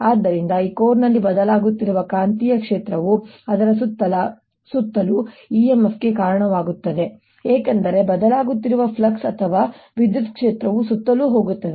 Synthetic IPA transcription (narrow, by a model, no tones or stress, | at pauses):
aːd̪ːɐɾind̪ɐiːkoːɾnɐlːibɐd̪ɐlaːɡut̪ːiɾuʋɐkaːnt̪ijɐkʂeːt̪ɾɐʋuɐd̪ɐɾɐsut̪ːɐl | sut̪ːɐluiemɐsɡe̞kaːɾɐɳɐʋaːɡut̪ːɐd̪e̞ | eːkɐnd̪ɐɾe̞bɐd̪ɐlaːɡut̪ːiɾuʋɐpʰlɐksɐt̪ʰɐʋaːʋid̪jut̪kʂeːt̪ɾɐʋusut̪ːɐluːɦo̞ːɡut̪ːɐd̪e